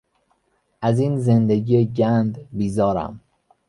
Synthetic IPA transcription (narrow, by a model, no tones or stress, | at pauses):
ʔæziːnze̞nd̪eɡɟiːeɟænd̪biːzɒːɾæ̰m